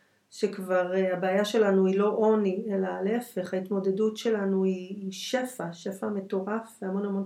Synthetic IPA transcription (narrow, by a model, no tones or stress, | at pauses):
ʃekvaʁeabeajaʃe̞lanuilo̞ʔo̞nie̞laleefe̞χhait̪mo̞de̞dutʃe̞lanuiʃe̞faʃe̞fame̞to̞ʁafamo̞namo̞n